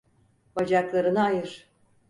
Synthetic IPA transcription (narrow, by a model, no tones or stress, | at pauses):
bad͡ʒaklˠaɾɯnaajɯɾ̥